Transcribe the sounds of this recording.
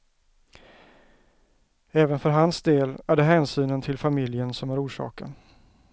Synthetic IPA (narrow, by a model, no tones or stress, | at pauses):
ɛːvənfœɾɦansd̪eːlæɖɛɦɛːnsyːnənt̪ʰɪlfamɪljənsɔmæɾuːʂɑ̰ːkə̰n